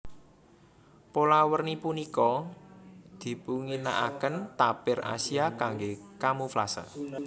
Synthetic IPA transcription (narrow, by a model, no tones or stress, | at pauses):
polawərnipunikɔ | d̪̥i̤puŋinaʔa̰kənt̪apɪra̰siakaŋɡekamufla̰sa̰